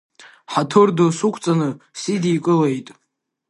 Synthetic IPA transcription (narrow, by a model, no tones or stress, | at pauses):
ħatʰɨrdosukʷʰt͡sʼanɨsidiːkʼɨlejtʼ